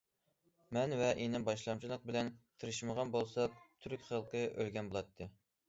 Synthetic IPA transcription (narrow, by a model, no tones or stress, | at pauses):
mɛnvɛʔenɪbɑʃlˠɑmt͡ʃʰilˠəq̚bɪlɛnt̪ʰɨɾɨʃməʁɑnbolˠsɑt̪ʰyɾykʲχəlˠqʰəʔølɡʲɛnbolˠɑt̪ʰːɨ